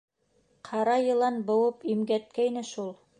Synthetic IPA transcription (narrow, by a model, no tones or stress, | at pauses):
qʰɑɾɑjɤ̆lˠɑnbɤ̆wɤpimɡæt̪̚kæjnɘʃulˠ